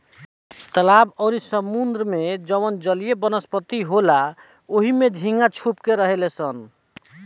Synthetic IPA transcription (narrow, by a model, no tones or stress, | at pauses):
t̪əlabɔɾisəmund̪ɾəmed͡ʒəwənd͡ʒəlijebənəspət̪iɦola | oɦimed͡ʒʱiŋɡat͡ʃʰupkeɾəɦelesən